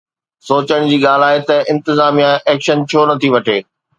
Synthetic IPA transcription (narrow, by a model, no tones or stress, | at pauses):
soːt͡ɕəɽ̃d͡ʑiːɠaːl̤aːet̪ɐʔɪ̃nt̪ɪzaːmijãʔɛːkʃənt͡ɕʰoːnɐt̪ʰiʋɐʈʰeː